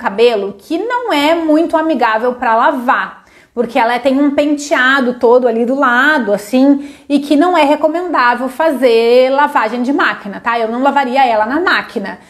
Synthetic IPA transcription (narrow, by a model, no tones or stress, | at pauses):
kabelʊkʰɪnɐ̃w̃ɛmũj̃t̪ʊamiɡavewpɾɐlava | poɾkeɛlɐt̪ẽj̃ũpẽnt͡ʃiad̪ʊt̪od̪ʊalid̪ʊlad̪ʊasĩɪkʰɪnɐ̃w̃ɛɦekomẽnd̪avewfazelavaʒẽj̃d͡ʒɪmakinɐt̪aewnɐ̃w̃lavaɾiɐɛlɐnɐmakinɐ